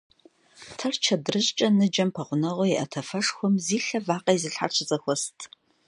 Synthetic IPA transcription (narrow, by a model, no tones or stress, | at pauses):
tʰɐrt͡ʃʰɐdrɨʑt͡ʃʼɐnɨd͡ʒɐmpʰɐʁʷʊnɐʁʷʊjɛʔɐtʰɐfɐʂxʷɔmziːɬɐvaːqɐjizɨɬħa̰rt͡ʃʰɪt͡sʼɐxʷɔstʰ